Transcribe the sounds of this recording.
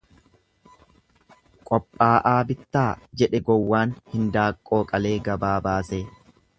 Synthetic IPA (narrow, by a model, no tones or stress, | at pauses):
kʼɔpʼːaːʔaːbɪt̪ːaːd͡ʒɛᶑɛɡɔwːaːnhɪnd̪aːkʼːo̞ːkʼɐle̞ːɡɐbaːbaːseː